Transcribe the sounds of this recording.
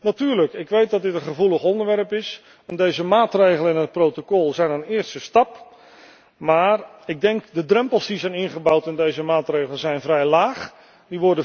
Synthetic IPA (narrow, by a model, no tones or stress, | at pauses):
natyːrləkɪkʋejt̚dɑt̚dɪtənχəvuləχɔndəɹʋɛrəpɪs | ɛndejzəmaːtrejɣələɪnɦət̚prowtokɔlˠzɛjnənɪːrstəstɑp | maːrɪɡ̚dɛŋkdədrɛmpəlˠsdizɛjnɪnχəbawtɪndejzəmaːtrejɣələzɛjnvrɛjlaːχ | diʋɔɹdə